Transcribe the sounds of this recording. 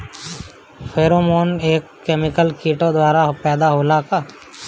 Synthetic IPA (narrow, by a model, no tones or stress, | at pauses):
pʰeːɾomoːneːkːeːmɪkəlkiːʈõd̪waːɾapɛːd̪aɦoːlakaː